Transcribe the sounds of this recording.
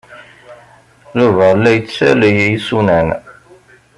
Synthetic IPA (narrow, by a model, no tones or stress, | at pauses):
ðuvælːæjt͡sːsæ̰lijæjsunæn